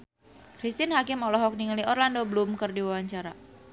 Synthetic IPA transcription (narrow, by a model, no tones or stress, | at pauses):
kɾist̪ɪnhakɪmɔlɔɦɔk̚niŋəliɔrlandobəlʊmkərdiwawaɲt͡ʃaɾa